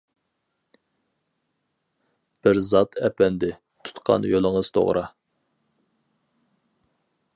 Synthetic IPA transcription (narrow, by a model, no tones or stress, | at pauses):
b̥ɪɾzɑt̪ʰɛpɛnd̪ɪ | t̪ʰu̥t̪qʰɑ̰njolˠəŋəz̥t̪ʰo̰ʁɾʔɑ̰